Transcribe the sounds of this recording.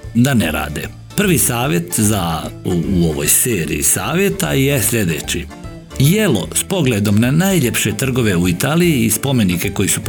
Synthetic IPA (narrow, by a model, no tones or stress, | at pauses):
d̪aneɾa̰ːd̪e | pr̩ʋisaːʋje̞t̪za | uoʋo̰jseːɾḭḭsaːʋje̞t̪aje̞sʎʲe̞d̪et͡ɕi | jelo̞̰spo̞ɡled̪o̞mnanajʎe̞pʃet̪r̩ɡo̞ʋe̞uit̪aːlijiːspo̞me̞nike̞ko̞jisup